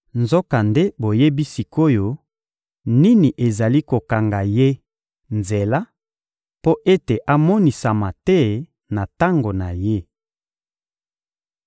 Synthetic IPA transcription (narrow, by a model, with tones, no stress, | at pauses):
nzo˦ka˨nde˦bo˨je˦bi˦si˨kʰo˦jo˦ | ni˦ni˨ʔe˨za˨li˦ko˨ka˨ŋɡa˨je˦ | nze˨la˦ | po˦ʔe˦te˨ʔa˨mɔ˦ni˨sa˨ma˨tɛ˦ | na˨ta˦ŋɡo˨na˨je˦